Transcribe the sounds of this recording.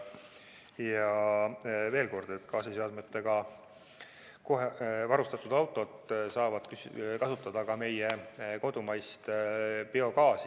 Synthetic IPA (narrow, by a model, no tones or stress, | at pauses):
jɑ | ve̞ːlko̞rd̪̥e̞t̪ːkɑːsiseɑd̪met̪ːˑe̞ɡ̥ɑ | ko̞ɦevɑɾust̪ɑt̪ːˑud̪̥ɑwt̪ːˑo̞t̪ˑsɑːvɑd̪̥kykɑsut̪ːˑɑd̪̥ɑkɑme̞jeko̞d̪̥umɑjst̪b̥io̞kɑːs